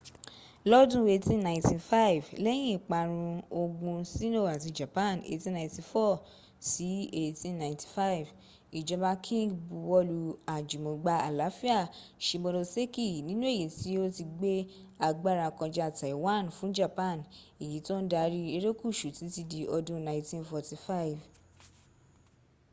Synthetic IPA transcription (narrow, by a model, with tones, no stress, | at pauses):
lɔ˦dũ˧˦e˧˨tĩ˧˦nã˧˨ĩ˨ti˧fa˦i˨vlɛ˦j̃ĩ˦˨k͡pa˧ɾ̃ũ˧o˧ɡũ˧si˦no˦˨a˨ti˧d͡ʒa˨pã˦˨nḛ˧˨tĩ˧˦nã˧˨ĩ˧ti˧fɔ˦˨ | si˨˦e˦˧tĩ˧nã˨ĩ˨ti̥˨fa˦i˨v | i˨d͡ʒɔ˧˦ba˧kʰĩ˦˨ɡbu˧wɔ˧˦lu˧a˨d͡ʒu˨mõ˨ɡ͡ba˧a˨la˨˦fi˦a˦˨ʃi˧bɔ˧ɾo˧se˦ki˦˨nĩ˦nũ˦e˦˨i˨˦ti˦o˦ti˧ɡ͡be˦ | a˧ɡ͡ba˦˨ɾa˧kɔ̃˧d͡ʒa˧a˦˨ta˨i˨wa˦˨nfũ˨˦d͡ʒa˦˨pã˦˨ne˨ji˨˦to˦n̩˦da˧ɾi˦e˧ɾe˦ku˦˨ʃu˨ti˨˦ti˧di˧ʔɔ˧dũ˦nã˧ĩ˧tĩ˧nfɔ˧ti˧fa˦i˨v